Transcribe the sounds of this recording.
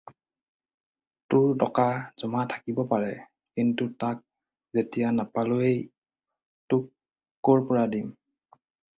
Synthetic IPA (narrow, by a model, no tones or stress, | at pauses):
tʊɹdɔkaz̥ɔmatʰḁkibɔpaɹɛ | kintutak̚ | zetijanapaluej | tʊkː | oɹpɔɹadim